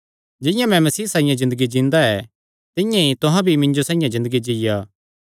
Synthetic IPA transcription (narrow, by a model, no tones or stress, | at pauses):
d͡ʒɪ̃jãmɛ̃mɐsiːsaːĩjãzɪ̃nd̪əɡid͡ʒĩːnd̪aɛ | t̪ɪ̃jãit̪ʊɦãbʱimɪ̃ɲd͡ʒosãːĩjãzɪ̃nd̪əɡid͡ʒijaː